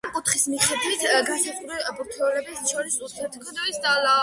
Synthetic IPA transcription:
amkʼut̪χismiχɛd̪wit̪ʰɡasat̪ʰʼuɾibuɾt̪ʰɛulɛbisʃɔɾisusʰɛt̪ʰkʰɔd̪ɔist̪ʼala

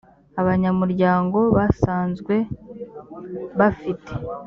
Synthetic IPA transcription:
aβaɲamuɾɟaːŋɡo̞βasaːnzɡwe̞ | βafitʰe̥

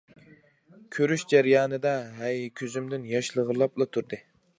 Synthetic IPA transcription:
kʲʰøɾyʃd͡ʒæɾjɑːnɨd̪ɛɦɛjkʲʰøzymd̪ɪnjɑʃlˠəʁəlˠɑplˠɑt̪ʰuɾd̪ɨ

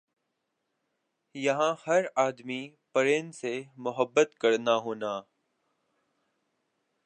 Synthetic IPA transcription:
jɐɦãːhəɾaːd̪mi | pəɾeːnɪ̆semʊɦəbːət̪kəɾnaɦoːnaː

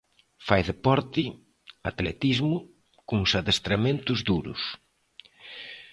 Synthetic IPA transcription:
fajðepɔɾt̪ɪ | at̪lḛt̪izmʊ | kʊŋsaðest̪ɾamẽnt̪ʊzðuɾʊ̰s

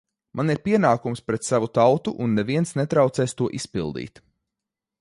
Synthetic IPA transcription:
maniɾpiɛnaːkumspɾɛt̪savut̪awt̪uʔunːɛviɛnsnet̪ɾawt̪sɛːst̪uɔʔispḭlˠd̪ḭːt̪

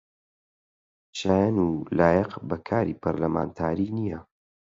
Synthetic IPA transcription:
ʃaːjanulaːjɛqbɐkʰaːɾḭpʰɐɾlɐma̰ːnt̪ʰaːɾinijɐ

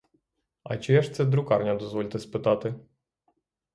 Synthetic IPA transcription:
ɐ̰t͡ʃɪɛʃt̪sɛd̪ɾʊkɑrnʲɐd̪ɔzʋɔlʲt̪ɛspɪt̪ɑt̪ɪ

